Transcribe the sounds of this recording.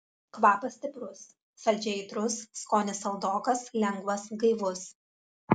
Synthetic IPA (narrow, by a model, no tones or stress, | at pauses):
kʋɑːpɐsʲt̪ʲɪpɾʊsː | ɐlʲd͡ʒʲɛɪt̪ɾʊsːkoːnʲɪsɐlˠd̪oːkɐslʲɛŋɡʋɐsɡɐɪʋʊs